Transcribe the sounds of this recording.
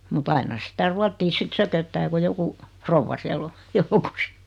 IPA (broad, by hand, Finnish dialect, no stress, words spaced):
mut ɑinɑ sitæ ruɑtːiː sit søkøtːæː ku joku froʋːɑ siæl o joukos